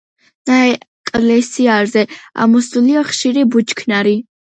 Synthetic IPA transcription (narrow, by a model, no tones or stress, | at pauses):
naɛ | kʼlɛsiaɾzɛa̰mɔsuliaχʃiɾibut͡ʃʰkʰnaɾi